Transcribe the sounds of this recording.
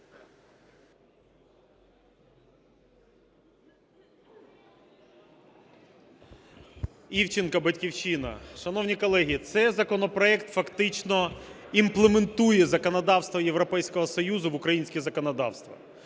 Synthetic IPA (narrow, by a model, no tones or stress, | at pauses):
iwt͡ʃɪnkɐbɐtʲkʲiwʃinɐ̰ʃɐnɔwnʲikɔlˠɛɦʲiːt̪sɛzɐkɔnɔpɾɔɛkt̪fɐkt̪ɪt͡ʃnɔimplˠement̪ujɛzɐkɔnɐd̪ɑwst̪ʋɐjeʋɾɔpɛjsʲkɔɦɔsɔjuzʊʋʊkɾɐjinʲsʲkʲizɐkɔnɐd̪ɑ̰wst̪ʋɐ̰